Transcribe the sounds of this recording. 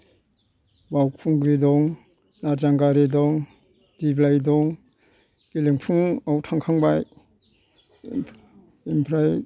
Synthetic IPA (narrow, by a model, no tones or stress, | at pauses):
bawpʰuŋɡɾidɔŋ | naɾzaŋɡaɾidɔŋ | diblajdɔŋ | kileŋpʰuŋawtʰaŋkʰaŋbaj | impʰɾaj